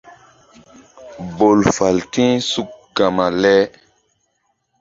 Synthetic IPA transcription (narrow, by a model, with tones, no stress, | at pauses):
bo˨lfa˨ltĩ˦su˨k̚ɡa˨ma˨lɛ˦